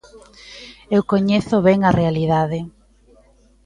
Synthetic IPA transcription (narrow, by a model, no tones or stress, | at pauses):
ewkoɲeθʊβɛŋarʔealiðaðɪ